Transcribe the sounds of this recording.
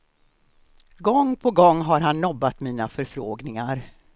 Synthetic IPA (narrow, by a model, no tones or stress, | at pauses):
ɡɔŋːpʰɔɡɔŋːɦaɾɦanːɔbːat̪miːnafœɾfɾoːɡnɪŋaɾ